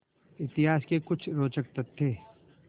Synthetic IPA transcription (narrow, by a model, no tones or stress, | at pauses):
ɪt̪ɪɦaːskekʊt͡ʃʰɾoːt͡ʃək̚t̪ət̪ʰːeː